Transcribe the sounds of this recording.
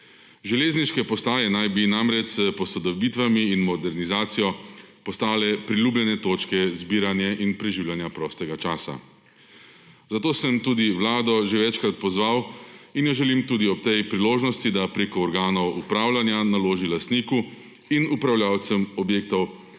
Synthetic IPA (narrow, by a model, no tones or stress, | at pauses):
ʒɛleːzniʃkɛpɔst̪aːjɛnajbinamɾɛt͡ʃsəpɔsɔd̪ɔbit̪ʋamiːnmɔd̪ɛɾnizaːt̪sijɔpɔst̪aːlɛpɾiluːblʲjɛnɛt̪oːt͡ʃkɛzbiːɾanjɛʔinpɾɛʒiwljanjapɾɔst̪ɛɡat͡ʃaːsa̰ | zat̪oːsəmt̪uːd̪iʋlaːd̪ɔʒeʋɛt͡ʃkɾat̪̚pɔzʋawinjɔʒɛlimt̪uːd̪iɔpt̪ɛjpɾiloːʒnɔst̪id̪apɾeːkɔːɾɡaːnɔwupɾaːwlʲanjanaloːʒilast̪niːku | inupɾawljaːwt̪sɛmɔbjeːk̚t̪ɔw